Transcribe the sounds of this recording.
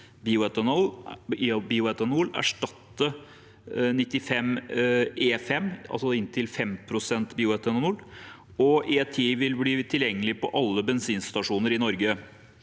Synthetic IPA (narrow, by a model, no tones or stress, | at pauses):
biːʊɛt̪ənɔl | biːʊɛt̪ənʊlæ̰ʂʈɑt̪ːə | nɪt̪ːɪfɛm | eːfɛmːɑ̰lsɔɪnt̪ʰɪlfɛmpʰɾʊsɛnt̪biːʊɛt̪ɛnnʉlː | ɔʔeːt̪ʰiːʋɪlbliːt̪ʰɪljɛŋːəlɪpɔʔɑlːəbɛnsiːnst̪ɑʂuːnəɾɪnɔɾɡə